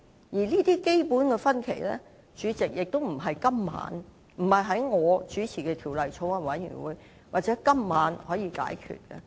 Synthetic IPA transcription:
jiː˨˩liː˥t̪iː˥ke˥jpuː˨˥nkɛ˧fɐ˥nkʰe˨˩jlɛ̰ː˥ | t͡ʃyː˨˧t͡sɪ˨k̚jɪ˨k̚t̪o˥wm̩˨˩ɦɐ˨jkɐ˥mːa̰ː˨˥n | m̩˨˩hɐ˨jɦɐ˨˥jŋɔː˨˧t͡ʃyː˨˥t͡sʰiː˨˩kɛ˧t̪ʰiː˨˩wlɐ˨jt͡sʰo˨˧˥wɐ˧wɐ˨˥njy̰˨˩nwṵː˨˧˦j | waː˨t̚t͡sɛː˨˥kɐ˥mːaː˨˥nhɔː˨˥jiː˧ka̰ː˨˥jkʰy̰ː˨t̚kɛ̰˧

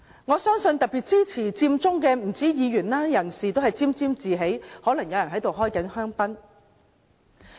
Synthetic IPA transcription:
ŋɔː˨˧sœː˥ŋsɵ˧nt̪ɐ˨k̚piː˨t̚t͡siː˥t͡sʰiː˨˩t͡siː˧mt͡sʊ˥ŋkɛː˧m̩˨˩t͡siː˨˥jiː˨˧jyː˨˩nlaː˥jɐ˨˩nsiː˨t̪o˥hɐ˨jt͡siː˥mt͡siː˥mt͡siː˨ɦe˨˥jhɔː˨˥lɐ˨˩ŋjɐ˨˧wjɐ˨˩nɦɐ˨˥jt̪o˨wɦɔː˥jkɐ˨˥nhœː˥ŋpɐ˥n

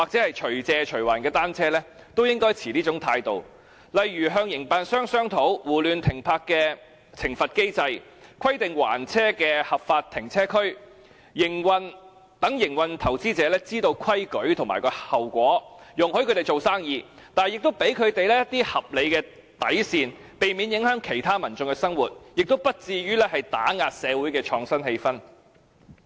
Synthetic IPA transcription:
waː˨k̚t͡sɛː˨˥hɐ˨jt͡ʃʰɵ˨˩ɥt͡sɛː˧t͡ʃʰɵ˨˩ɥwa̰ː˨˩nkɛː˧t̪aː˥nt͡sʰɛː˥lɛː˥ | t̪o˥wjɪ˥ŋkɔː˥jt͡sʰiː˨˩liː˥t͡sʊ˨˧˥ŋt̪ʰaː˧jt̪o˨w | lɐ˨jɥyː˨˩ɦœː˧ŋjɪ˨˩ŋpaː˨˧nsœː˥ŋsœː˥ŋt̪ʰo˨˥wwuː˨˩lyː˨˧nt̪ʰɪ˨˩ŋpʰaː˧kːɛː˧ | t͡sʰɪ˨˩ŋfɐ˨t̚ke˥jt͡sɐ˧j | kʰɐ˥jt̪ɪ˨ŋwa̰ː˨˩nt͡sʰɛː˥kɛː˧hɐ˨pfaː˧t̚t̪ʰːɪ˨˩ŋt͡sʰɛː˥kʰɵ˥ɥ | jɪ˨˩ŋwɐ˨n | t̪ɐ˨˥ŋjɪ˨˩ŋwɐ˨nt̪ʰɐ˨˩wt͡siː˥t͡sɛː˨˧˥lɛː˥t͡siː˥t̪o˧wkʰɐ˥jkɵ˨˥ɥt̪ʰʊ˨˩ŋma̰ː˨˩jkɔː˧hɐ˨˩wkʷɔː˨˥jʊ˨ŋhɵ˥ɥkʰɵ˧t̪e˨jt͡so˨wsaː˥ŋjiː˧t̪aː˨jɪ˨k̚t̪o˥wpe˨˥jkʰɵ˨˧ɥt̪e˨jlɛː˥jɐ˥t̚t̪iː˥hɐ˨p̚le˨˧jkɛː˧ | t̪ɐ̰˨˥jsiː˨n | pe˨jmiː˨˧njɪ˨˥ŋɦœː˨˥ŋkʰe˨˩jt̪ʰaː˥mɐ˨˩nt͡sʊ˧ŋkɛ˧sɐ˥ŋwuː˨t̚jɪ˨k̚t̪o˥wpɐ˥t̚t͡siː˧jyː˥lɛː˥hɐ˨jt̪aː˨˥ŋaː˨t̚sɛː˨˧wuː˨˥jkɛː˧t͡ʃʰɔː˧ŋsɐ˥nhe˧jfɐ˥n

